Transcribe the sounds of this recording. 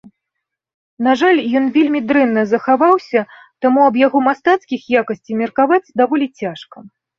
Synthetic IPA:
naʐalʲjɔn̪vʲelʲmʲid̪ɾɛnːɐzɐxavawsʲɐ | t̪amuɐbjaɣɔmast̪at̪skʲixjakɐsʲt͡sʲimʲɛrkavat͡sʲd̪avɔlʲit͡sʲaʂkɐ

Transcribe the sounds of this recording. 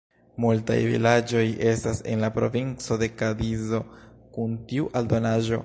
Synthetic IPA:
multa̰jvḭlad͡ʒo̞je̞stase̞̰nlapɾo̞̰vint͡so̞de̞kadizo̞ | kuntiuʔaldo̞naʒo̞̰

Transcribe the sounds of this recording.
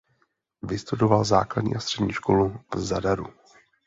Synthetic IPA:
vɪst̪udovalzaːkladɲḭːʔast̪r̝̥ɛdɲiːʃko̞luvzadaɾu

